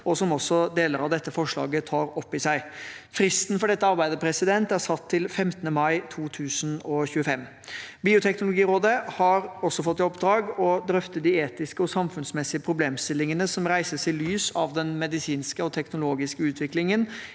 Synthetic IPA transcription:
ɔsɔmɔsːɔd̪eːləɾɑʋd̪ɛt̪ːəfɔʂɭɑ̰ːɡət̪ʰɑːɾɔpːɪsæɪfɾɪst̪nfɔɖɛt̪ːəɑɾbæɪd̪əpʰɾɛsɪd̪ɛnt̪æɾsɑt̪ʰːɪlfɛmt̪ənəmɑɪt̪ʰuːt̪ʰʉːsnɔçʉːəfɛmː | biːʊt̪ʰɛknʊlʊɡiːɾoːd̪əhɑɾɔsːɔfɔt̪ːɪɔpd̪ɾɑːɡɔd̪ɾœft̪ət̪̚d̪ɪeːt̪ɪskəɔsɑmfʉnsmɛsːɪəpʰɾʊbleːmst̪ɪlːɪŋənəsɔmɾæɪsəsɪlyːsɑʋd̪ɛnmɛd̪ɪsiːnskəɔt̪ʰɛknʊloːɡɪskəʉːt̪ʰʋɪklɪŋən

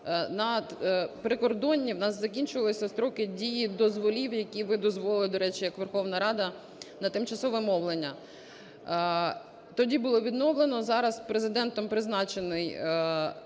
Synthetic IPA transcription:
nɐpɾɪkɔrd̪ɔnʲːiwnɑszɐkʲinʲt͡ʃʊʋɐlˠɪsʲɐst̪ɾɔkɪdʲijid̪ɔzʋɔlʲiwjɐkʲiʋɪd̪ɔzʋɔlˠɪlˠɪd̪ɔɾɛt͡ʃɪjɐkʋerxɔʋnɐɾɑd̪ɐ | nɐt̪ɪmt͡ʃɐsɔʋɛmɔʋlˠenʲːɐ | t̪ɔdʲibʊlˠɔʋʲid̪nɔʋlˠenɔzɑɾɐspɾezɪd̪ɛnt̪ɔmpɾɪznɑt͡ʃenɪj

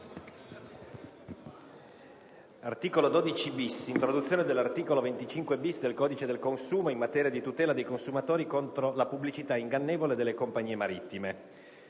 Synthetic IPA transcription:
art̪iːkolod̪oːd̪it͡ʃibisint̪ɾod̪ut̪sːjoːned̪elːart̪iːkolovent̪it͡ʃiŋkwebisd̪elkɔːd̪it͡ʃed̪elkonsuːmoinmat̪ɛːɾiad̪ijt̪ut̪ɛːlad̪ejkonsumat̪oːɾikont̪ɾolapubːlit͡ʃit̪aiŋɡanːeːvoled̪elːekompaɲiːemaɾit̪ːime

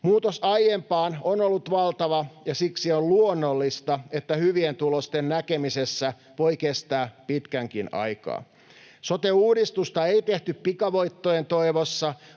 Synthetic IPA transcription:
muːt̪osɑijjempɑːnonolːut̪ʋɑlt̪ɑʋɑjɑsiksiolluonːolːist̪ɑet̪ːæhyʋient̪ulost̪ennækemisesːæ | ʋo̞ikest̪æːpit̪kæŋkinɑ̰jkɑ̰ː | sot̪euːdist̪ust̪ɑeit̪eht̪yppikɑʋoit̪ːojent̪oiʋosːɑ

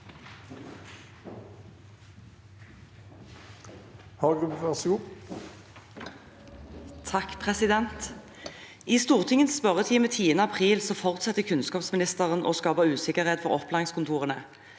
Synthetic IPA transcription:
hɑɡʉʋæʁsɡuː | t̪ʰɑkpʰʁɛsɪd̪ɛnt̪ | iːst̪uːʁt̪ʰɪŋənsspœʁət̪ʰiːmət̪ʰiːənəɑpʰʁiːlsɔfɔʁt̪sɛt̪əkʰʉnskɑːpsmɪnɪst̪əʁəno̰ːskɑːpəʁʉːsɪkəʁheːt̪fɔʁɔplɑɪŋskʰʊnt̪ʰuːʁənə

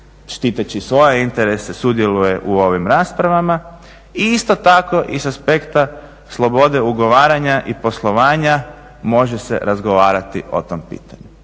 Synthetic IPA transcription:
ʃt̪it̪at͡ɕisʋo̞je̞int̪eɾesesud̪je̞luje̞ʔuo̞ʋimɾaːspɾaʋama | iist̪o̞t̪ako̞ʔisaspe̞kt̪a | slˠo̞bo̞d̪e̞uɡo̞ʋaːɾaɲaʔipo̞slˠo̞ʋaːɲa | mo̞ʒese̞̰ɾazɡo̞ʋaːɾat̪io̞̰t̪ompḭːt̪aɲu

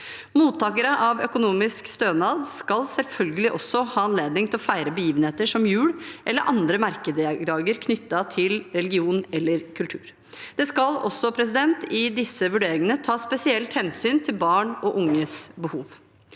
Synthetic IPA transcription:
muːt̪ʰːɑːkəɾəʔɑʋœkʊnuːmɪskst̪øːnɑːd̪skɑlsɛlfœlɡəlɪʔɔsːɔhɑːɑnleːd̪nɪŋt̪ɪlɔfæɪɾəbəjiːʋənheːt̪əʂɔmjʉːɽʔɛlːəɾʔɑnd̪ɾəmɑɾkəd̪əɑːɡəɾkʰnʏt̪ːɑt̪ʰɪlɾɛlɪɡɪuːnɛlːəɾkʰʉlt̪ʰʉ̰ːɾ | d̪̥ɛskɑlɔ̰sːɔpʰɾɛs̬ɪd̪ɛnt̪ɪd̪ɪsːəʋʉɖeːɾɪŋənət̪ʰɑːspɛsɪɛlt̪hɛnsyːnt̪ʰɪlbɑːɳɔʔʊŋːəsbəhuːʋ

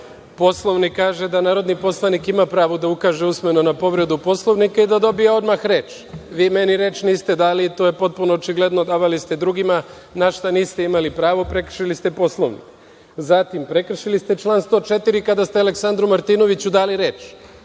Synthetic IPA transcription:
po̞slˠo̞ʋnikːaːʒe̞d̪anaːɾo̞d̪nipo̞slˠanikimapɾaːʋod̪aukaːʒe̞usmenonapo̞ʋɾe̞d̪upo̞slˠo̞ʋnikaid̪ad̪o̞bieo̞d̪maxɾe̞ːt͡ʃ | ʋiːme̞niɾe̞ːt͡ʃniːst̪e̞d̪alit̪o̞ːjepo̞t̪̚puno̞ot͡ʃiɡle̞d̪no̞d̪aːʋalist̪e̞d̪ɾuɡima | naʃt̪aniːst̪eimalipɾaːʋo̞pɾe̞kr̩ʃilist̪e̞po̞slˠoʋnḭk | zat̪impɾe̞kr̩ʃilist̪e̞t͡ʃlˠaːnst̪o̞ːt͡ʃe̞t̪iɾikad̪ast̪eale̞ksand̪ɾumaɾt̪iːno̞ʋit͡ɕud̪aːliɾe̞ːt͡ʃ

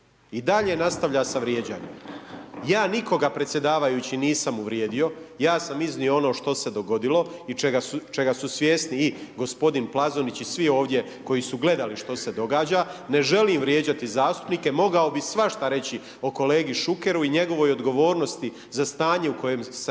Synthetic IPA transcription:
id̪aʎenast̪aʋʎasaʋɾjeːd͡ʑa̰ːɲḛmjaːniko̞ɡapɾe̞t̪sʲje̞d̪aːʋajut͡ɕiniːsamuʋɾjeːd̪io̞jaːsamiznioo̞no̞ːʃt̪o̞se̞d̪o̞ɡo̞d̪ilo̞it͡ʃeɡasut͡ʃe̞ɡasusʋʲjeːsniːɡo̞spo̞d̪inplˠazonit͡ɕisʋio̞ːʋd̪je̞ | ko̞jisuɡle̞d̪aliʃt̪o̞se̞d̪o̞ɡaːd͡ʑane̞ʒe̞liːmʋɾjeːd͡ʑat̪izaːst̪u̥pniːkemo̞ɡaobisʋaʃt̪aɾe̞t͡ɕi | o̞ko̞le̞ːɡiʃuke̞ɾuiɲe̞ɡo̞ʋo̞ːjo̞d̪ɡo̞ʋo̞ːɾno̞st̪i | zast̪aːɲe̞uko̞je̞ːms

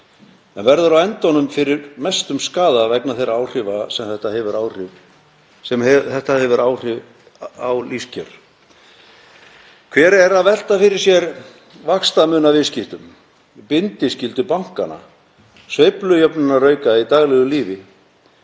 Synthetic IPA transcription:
ɛnvɛɾðʏɾawɛnt̪ɔnʏmfɪɾɪɾmɛst̪ʏmskaːðavɛknaθejɾaːwr̥ɪvasɛmθɛht̪ahɛvʏɾaːwr̥ɪv | sɛmɛθɛht̪ahɛvʏɾaːwr̥ɪ | awliscœɾ̥ | kʰvɛːɾɛɾaðvɛl̥t̪afɪɾɪɾ̥sjɛɾ | vakst̪amʏːnavɪðscɪht̪ʏm | pɪnt̪ɪscɪlt̪ʏpawŋ̥ka̰na̰ | sveːjplʏjœpnɪnarœːɥkait̪aːɣlɛɣʏliːvɪ

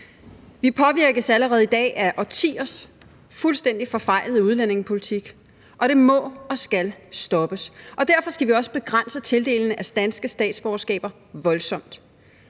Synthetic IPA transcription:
ʋipʰɒ̽ʋiɐ̰ɡ̥əsæləʁɛːð̩ˠid̥ɛ̰ːʔæʔɒt͡sʰḭːɐs | fulsd̥en̰d̥ifɒ̽fɑ̈ɪ̰ləð̩ˠəuð̞ˠlæn̰e̝ŋpʰo̝lit͡sʰiɡ̥ | ʔɒ̽ɾ̥e̝mɒ̽ɒ̽sɡ̥ælsd̥ɒ̽b̥əsʔɒ̽d̥æɐfɒ̽sɡ̥æʋiɒ̽sə̥b̥e̝ɡ̥ʁan̰sət͡sʰe̝ld̥e̝̰ːln̩əæsd̥ænsɡ̥əsd̥ɛ̰ːd̥sb̥ɒʊɐsɡ̥ɛ̰ːb̥ɐ | ʋɒ̽lsɒ̽m̰d̥

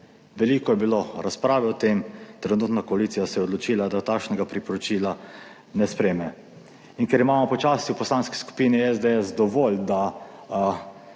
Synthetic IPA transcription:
ʋɛliːkɔjɛbiloɾaspɾaːʋɛɔt̪emt̪ɾɛnuːt̪nakɔaliːsijasɛjɛod̪lɔt͡ʃiːlad̪at̪akʃnɛɡapɾipɔɾɔt͡ʃiːla | nɛspɾeːmɛ | inkɛɾimaːmɔpɔt͡ʃaːsiwpɔslanski̥sku̥piːniɛzd̪eɛsd̪ɔʋold̪a

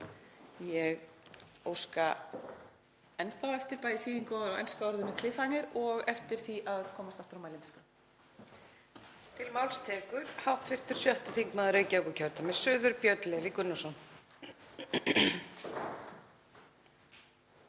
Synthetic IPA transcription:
jɛɣoːwska | ɛnθawɛft̪ɪɾpajðɪθiːðiŋkɔḛjnskaɔɾðʏnːɪkʰlɪfanɪɾɔɣɛft̪ɪɾ̥θiʔaðkʰɔːmast̪aft̪ɾawmaːjlɪmɛska | t̪ʰɪlmawlst̪ʰɛːkʏɾ̥hawht̪fɪr̥t̪ʏɾ̥sjœht̪ɪθiŋkmɛðaɾœːɥcaɛkʏcʰœɾt̪amɛ̥sʏːðʏɾpjœɥt̪lɛvikʏnːɔsɔn

